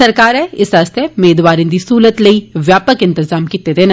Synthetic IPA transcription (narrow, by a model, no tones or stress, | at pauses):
ɐɾkaːɾɛɪsaːst̪eʊmeːd̪ʋaːɾĩːd̪iːsuːlət̪ləiːʋjaːpəkɪ̃nt̪ɪzaːmkiːt̪ed̪eːn